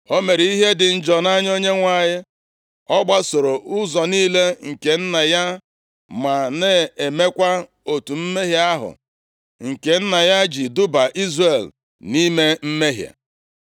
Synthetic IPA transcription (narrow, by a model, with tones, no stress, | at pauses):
o˦me˨ɾi˦ɦe˦dɪ˨n̩˦d͡ʒɔ˨na˦ɲ˦o˦ɲe˦ŋʷa˦˨ɲɪ˦ | ɔ˦ɡ͡ba˦so˨ɾo˨ʔʊ˦zɔ˨niː˦le˦ŋ̩˨ke˨n̩˦na˨ja˦ | ma˨ne˦e˨me˦kʷa˦ | o˨tu˨m̩˦me˦ɦja˦a˦ɦʊ̰˨ | ŋ̩˨ke˨n̩˦na˨ja˦d͡ʒi˨dʊ˦ba˨ʔi˦zre˨l | ni˦me˦m̩˦me˦ɦja̰˨